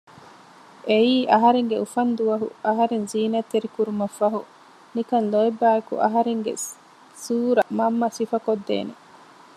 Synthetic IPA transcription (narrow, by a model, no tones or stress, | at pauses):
ʔeiːʔɐɦɐɾeŋɡeufɐnd̪uʋɐɦṵɐɦɐɾenziːnɐt̪ːeɾikuɾumɐfːɐɦu | nikɐnloebːæːekṵʔɐɦɐɾeŋɡḛ | suːɾɐmɐmːɐsifɐkod̪ːḛːnḛ